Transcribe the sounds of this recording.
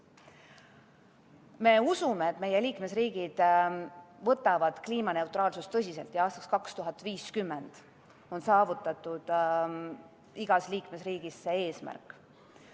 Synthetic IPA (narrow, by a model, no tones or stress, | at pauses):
me̞usumeet̪me̞je̞liːkme̞sriːɡ̥id̪̥ | vɤt̪ːˑɑvɑd̪̥kliːmɑne̞ut̪rɑːlsust̪ːɤs̬ʲise̞lt̪jɑɑːst̪ɑkskɑkst̪uɦɑt̪ːˑviːskymːend̪̥ | o̞nsɑːvut̪ːˑɑt̪ːˑud̪̥ | iɡ̥ɑsliːkme̞sriːɡ̥isːe̞eːsmæ̰rkːˑ